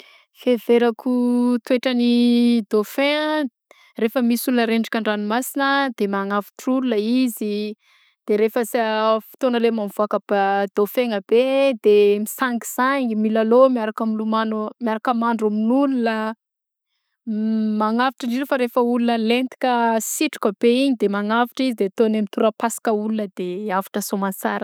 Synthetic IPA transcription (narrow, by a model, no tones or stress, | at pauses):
feveɾakut̪weʈ͡ʂənid̪ofeŋə | refəmisulunəɾeɳɖ͡ʐḁkʲaɳɖ͡ʐanimasinəd̪̥emaŋafi̥ʈ͡ʂululəizi | d̪̥eɾefəsfi̥t̪onəlemanvuakəbad̪ofeŋəbed̪emisaŋɡiz̥aɲimilalomiaɾakəmilumanomiaɾakəmaɳɖ͡ʐuminununə | maŋaviʈ͡ʂiɳɖ͡ʐiɾofaɾefəulunəlent̪i̥kʲəsiʈ͡ʂu̥kəb̥eiɲid̪emaŋavi̥ʈ͡ʂizid̪et̪onemit̪uɾəpasi̥kəulunəd̪eavḁʈ͡ʂəsomansaɾə